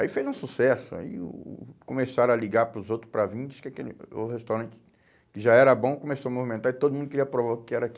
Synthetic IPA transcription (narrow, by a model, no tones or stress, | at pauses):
aifejzũsusɛsʊa̰ḭkõmesaɾ̃ɐliɡaɾpɾʊzowt̪ɾʊ̥spɾavĩd͡ʒʊ̥skɪakelɪo̰hest̪awɾɐ̃t͡ʃɪ̥ | kɪʒaɛɾɐbõw̃kõmesoɐmovimẽnt̪aɾɪt̪od̪ʊmũd̪ʊkɪɾiɐpɾovaɾʊkɪɛɾaki